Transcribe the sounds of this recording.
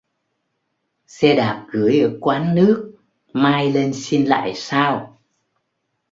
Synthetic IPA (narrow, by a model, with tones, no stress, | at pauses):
sɛ˧ɗaː˨˩p̚ɣɨ˨˩əjʔəː˧˩kwaː˨˦nːɨ˦˥ək̚ | maː˧jle˧nsi˧nla̰ː˧˨jsaː˧w